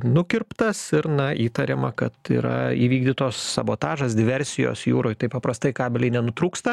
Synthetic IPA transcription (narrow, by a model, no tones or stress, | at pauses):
nʊkʲɪrpt̪ɐsɪɾnɐʔiːt̪ɐɾʲemɐkɐt̪ḭːɾɐ̰ḭːʋʲiːɡd̪ʲit̪oːsːɐboːt̪ɑːʒɐsd̪ʲɪʋʲɛɾʲsʲɪjo̰ːsjṵːɾoːjt̪ɐɪpɐpɾɐst̪ɐɪkɑːbʲɪlʲɛɪnʲɛnʊt̪ɾuːkst̪ɐ